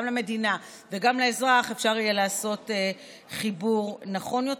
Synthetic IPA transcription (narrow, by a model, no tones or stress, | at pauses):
mlame̞dina | veɡamleezʁaχefʃaʁijelaːso̞te | χibuʁnaχo̞njo̞t